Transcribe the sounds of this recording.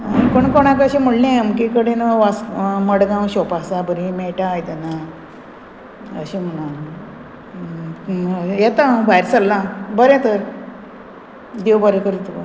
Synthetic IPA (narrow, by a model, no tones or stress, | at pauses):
koɳkoɽ̃ãk̬əɕim̤əɽlĩəmkikəɽenəʋasməɽɡãwɕopasabəɾĩmeʈaːjt̪əna | ə̰ɕim̤ənã | jɛt̪ãbʱajɾsəlːãbəɾɛ̃t̪əɾ | d̪ewbaɾikəɾit̪uə